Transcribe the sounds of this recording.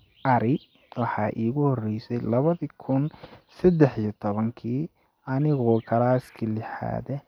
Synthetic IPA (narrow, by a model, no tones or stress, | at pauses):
ʔɐɾɪ | wɑħɑːʔiːɣʊhɔrɛjsɛjlɐβɐðikʰʊnsɐd̪ɛħijɐt̪ʰɔβɐŋkʰiː | ʔɐnɪɣɔkʰɐlaːskʰɐlɪħa̰ːðɛ